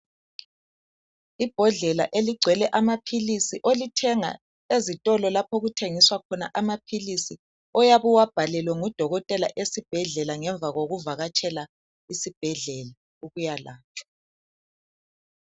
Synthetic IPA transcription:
ib̥ʱɔɮɛlaʔeliɡ͡ǀʱwɛlɛʔamapʰilisiʔolitʰɛŋa̰ | ezitʼɔlɔlapʰoɣutʰeŋiswakʰɔnaʔamapʰilisi | ɔjaβuwab̥ʱalɛlwɛŋud̥ʱɔɣɔtʼɛla̰ʔesib̥ʱɛɮɛlaŋɛɱb̪vʱaɣoɣuvaɣat͡ʃʼʰɛla | isib̥ʱɛɮɛla | uɣujalaːt͡ʃʰḁ

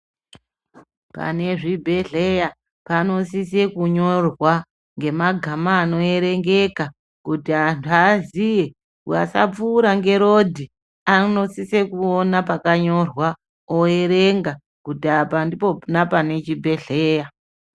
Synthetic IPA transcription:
pa̰ne̞ʐibʱe̞ɮeja | pano̞sise̞kuɲo̞rwa | ŋɡe̞maɡʱamaːno̞e̞ɾe̞ŋɡe̞ka | kutiantʰuazije̞ | kua̰sa̰p͡fuːɾaŋɡe̞ɾo̞dʱi | ano̞sise̞kuonapakaɲo̞rwa | oe̞ɾe̞ŋɡa | kutiapandipo̞napane̞t͡ʃibʱe̞ɮe̞ːja

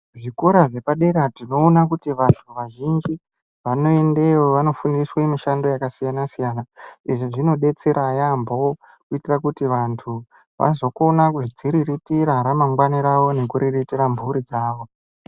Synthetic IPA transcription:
ʐikoɾaʐe̞paɗe̞ɾatino̞ːnakutiʋantʰuʋaʒind͡ʒi | ʋano̞e̞ndewoʋano̞fundiswamiʃando̞jakasijanasijanaiʐiʐino̞ɗe̞t͡se̞ɾʔajamboo | kuitirakutiʋantʰu | ʋa̰zo̞ko̞nakuʐid͡ziɾiritiɾaɾamaŋɡwaniɾawo̞ne̞kuɾiritiɾambʱuɾid͡zaːʋo̞

